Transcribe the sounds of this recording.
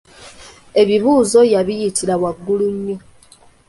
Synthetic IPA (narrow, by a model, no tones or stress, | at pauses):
e̞βiβuːzo̞jaβijitʰiɾawaɡːuluɲːo